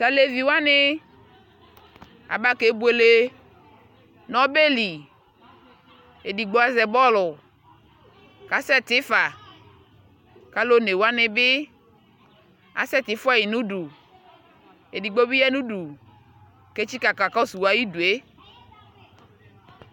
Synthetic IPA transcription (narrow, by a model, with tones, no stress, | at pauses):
sa˨le˨vi˨wa˦ne˦ | a̰˨ba˦ke˨˦bu˨˦e˨le˨ | nɔ˦be˦li˨ | e˨di˨ɡ͡bo˦a˦zɛ˨bɔ˦lʊ˨ | ka˨˦sɛ˦t̪ɪ˨˦fa˨ | ka˦lo˦ne˨wo˦a˦nɪ˨bɪ˦ | a̰˨˦sɛ˦t̪ɪ˨˦fa˦ji˨nũ˦ɖu˨ | e˨di˨ɡ͡bo˦bi˦jɛ˦nũ˦ɖu˨ | ke˦t͡ʃi˦ka˨ka˨kɔ˦su˨wa˦ji˦du˨e˦